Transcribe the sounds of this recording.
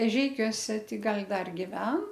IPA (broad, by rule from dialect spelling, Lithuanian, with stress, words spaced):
ɛˈʒʲɛɪkʲuɔsʲɛ ˈtʲɪ ˈɡɐlʲ ˈdɐr ɡʲɪˈʋʲɛn